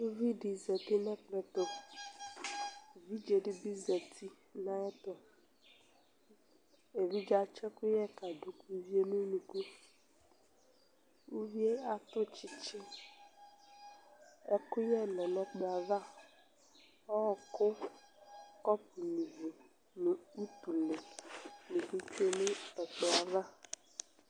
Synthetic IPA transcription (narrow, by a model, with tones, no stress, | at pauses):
u˦vi˦ɖi˨zɛ˨t̪e˦nɛ̃˦k͡plɛ˨t̪o˦˨ | vi˦d͡ʒe˨ɖɪ˦bi˦zɛ˨t̪ʰi˦ | nã˦ɛ˦t̪ʊ˦ | e˨vi˦d͡ʒa˨t͡ʃɛ˦kʊ˦jɛ˦ka˨ɖo˨ku˦vi˦e˦nũ˦nũ˨ku˦ | u˦vi˦e˦a˨t̪ʊ˦t͡ʃi˦t͡ʃɪ˦ | ɔ˦kʊ˦jɛ˦˨nɔ˨nɔ˦k͡pɔ˨a˨ða˦˨ | ɔ˦ɔ˨kʊ˦ | kɔ˦p̚u˨nu˨vu˨ | nʊ˨u˦t̪u˨le˨ni˨ku˦t͡ʃu˦e˦ne˦ɛ˨k͡pʊ˨a˨va˦